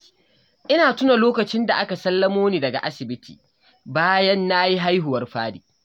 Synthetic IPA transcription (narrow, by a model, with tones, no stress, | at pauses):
ʔɪ˦naː˨tʊ˦na˨loː˦kɐ˨t͡ʃɪ˦nda˨ʔa˦ka˨sɐ˦lːɐ˦moː˦niː˨dɐ˨ɡa̰˨ʔa˦sɪ˨bɪ˦tʰiː˨ | baː˦jɐ˦nːa˦ji˦ɦa˦jɦʊ˨wɐ˦rɸaː˦diː˨